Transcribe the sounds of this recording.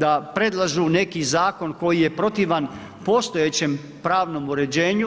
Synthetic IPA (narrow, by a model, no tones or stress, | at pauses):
d̪apɾe̞d̪lˠaʒune̞kizaːko̞nko̞jije̞pɾo̞t̪iʋan | po̞st̪o̞jet͡ɕem | pɾaːʋnomuɾe̞d͡ʑeːɲu